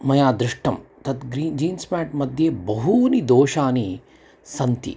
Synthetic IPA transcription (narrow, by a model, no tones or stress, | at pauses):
mɐjaːd̪ɾɪʂʈɐmt̪ɐt̪ɡɾiːnd͡ʒiːnsmɛːʈmɐd̪ʱjebɐɦunid̪oːʃaːni | sɐnt̪ḭ